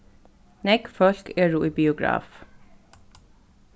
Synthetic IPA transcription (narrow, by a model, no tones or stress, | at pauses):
nɛkfœɬkeːɹuːʔiːbɪʊɡɾɑ̰ːf